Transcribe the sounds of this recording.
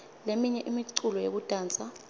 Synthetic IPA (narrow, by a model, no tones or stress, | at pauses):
lemiɲɛʔimiǀulɔjḛk̬ud̥ʼʱaːnt͡sʼa